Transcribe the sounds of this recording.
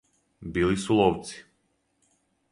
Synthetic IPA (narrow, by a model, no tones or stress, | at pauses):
bilisulˠɔft̪si̥